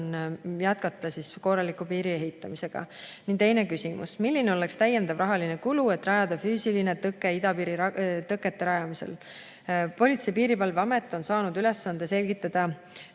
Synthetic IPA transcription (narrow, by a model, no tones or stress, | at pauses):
njæt̪̚kɑt̪ːˑɑsisko̞rɑlikːˑupiːɾie̞ɦit̪ːˑɑmise̞ɡ̥ɑ̰nind̪t̪e̞jne̞kysimṵsmilʲːine̞ole̞kst̪æjːe̞nd̪̥ɑvrʔɑɦɑline̞kulue̞t̪ːˑrɾɑjɑd̪̥ɑfyːsiline̞t̪ɤkːˑe̞id̪ɑpiːɾit̪ɤkːe̞t̪ːe̞ɾɑjɑmise̞̰l | po̞lʲit̪sejpiːɾipɑlveɑme̞t̪ːˑo̞nsɑːnud̪̥yle̞sːɑnd̪̥e̞se̞lʲɡ̥it̪ːˑɑd̪̥ɑ